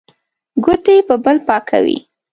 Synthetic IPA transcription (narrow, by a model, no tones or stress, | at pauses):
ɡʊt̪epəbəlpɑkʰa̰wḭ